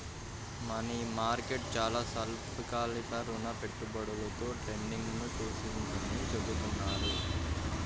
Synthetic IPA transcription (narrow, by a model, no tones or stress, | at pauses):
mɐnimaːɾkeʈ̚t͡ʃaːlaːsɐlpkaːlit̪ɐɾunɐpe̞ʈːubɐɽulɐt̪o̞ːʈɾeɳɖiŋɡnut͡ʃuːsind̪ɐnit͡ʃebut̪unːaːɾu